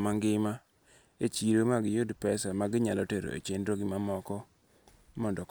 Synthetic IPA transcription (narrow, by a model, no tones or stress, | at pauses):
maŋɡɪma | et͡ʃiɾomaɡɪjodpɛsamaɡɪɲalɔteɾo̰ḛt͡ʃendɾoɡɪmamɔkɔ | mɔndɔk